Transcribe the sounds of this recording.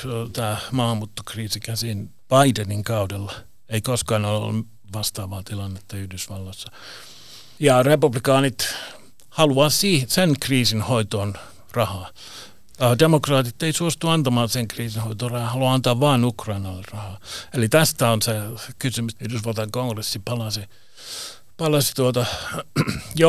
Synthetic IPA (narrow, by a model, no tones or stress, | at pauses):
ot̪æːmɑːhɑmːuːt̪ːo̥kriːsikæsin | b̥ɑideniŋkɑudelːɑ | eikoskɑːnolo̰l̰ː | ʋɑst̪ɑːʋɑːt̪ilɑnːet̪ːɑyhdysʋɑlːɑsːɑ | jɑrepublikɑːnit̪ | hɑluɑːsiːsenkriːsinhoit̪oːn | rɑhɑː | ɑhɑdemokrɑːt̪it̪ːeisuost̪uɑnt̪ɑmɑːnseŋkriːsinhoit̪oːrɑhɑhɑluɑɑnt̪ɑːʋʋɑːnukrɑinɑlːerɑhɑːelit̪æst̪æonsekysymysyhdysʋɑlt̪ɑŋkoŋɡresːipɑlɑsi | pɑlɑsi̥t̪uot̪ɑ | jo